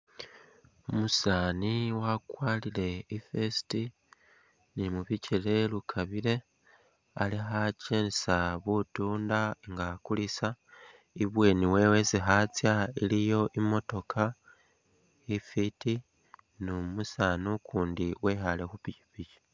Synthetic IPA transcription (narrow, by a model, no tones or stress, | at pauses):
umusaːniwakwaːlile̞ifesi̥ti | nimuβicʰile̞lukʰaβile̞ | alixacensaβutuːndaeŋɡakulisa | iβwe̞ːniwe̞we̞zixat͡sjailijo̞ʔimo̞to̞kʰa | ifiti | numusaːnukʰuːndiwexale̞xupicipici̥